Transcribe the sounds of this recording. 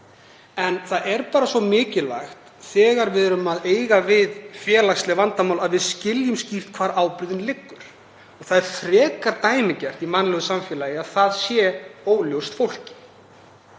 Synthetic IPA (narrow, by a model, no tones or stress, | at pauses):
ɛnθaðɛɾpaːɾasvɔmɪːcɪla̰jxt̪ | θɛːɣaɾvɪðɾʏmaðeːjɣavɪðfjɛːlaxslɛɣvant̪amawlaðvɪðscɪljʏmscift̪kʰv̥aːɾaːwpɾʏðɪnlɪkːʏɾ̥ | ɔɣθaðɛɾ̥θɾɛːkaɾt̪aːjmɪcɛr̥t̪imanːlɛɣʏsamfjɛːlajɪaðθaðsjɛoːwljowst̪fowl̥cɪ̥